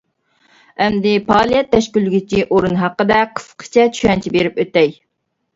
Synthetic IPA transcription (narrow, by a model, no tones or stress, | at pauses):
ɛmd̪ɪpʰɑːlˠijɛt̪ʰːɛʃkʲylːyɡʲit͡ʃʰiʔoɾunɦɑqːəd̪ɛqʰə̥sqʰə̥t͡ʃʰɛt͡ʃʰyɛnt͡ʃʰibeɾɪpøt̪ːɛj